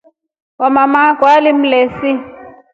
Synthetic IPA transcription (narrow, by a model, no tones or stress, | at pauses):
wamamaɡʱwalim̩leːsi